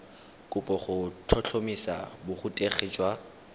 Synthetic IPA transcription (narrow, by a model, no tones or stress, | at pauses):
kʼʊpʼɔχʊtʰɔt͡ɬʰomisa̰bʊχʊtʼeχit͡ʃʼwa